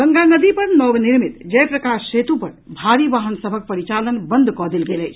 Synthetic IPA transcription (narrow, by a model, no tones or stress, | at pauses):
ɡəŋɡanəd̪ipəɾnɔbniɾmit̪d͡ʒəjpɾəkasset̪upəɾbʱaɾibaɦənsəbʱək̚pəɾit͡ʃalənbənd̪ʱkɔd̪elɡeləjt͡ʃʰ